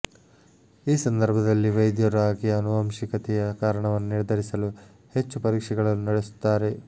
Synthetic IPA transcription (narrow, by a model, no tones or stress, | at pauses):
iːsɐnd̪ʱɐɾbʱɐd̪ɐlːiʋɐjd̪jɐɾaːɡiɐnuʋɐmʃikɐt̪ɛjɐkaːɾɐɳɐʋɐnːuniɾɐd̪ʱɐɾisɐlu | he̞t͡ʃːupɐɾiːkʂɛɡɐɭɐnːunɐɽesu̥t̪ːaːɾe̞